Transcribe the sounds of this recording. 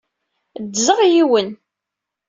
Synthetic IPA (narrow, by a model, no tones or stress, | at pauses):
dzəʁjiwən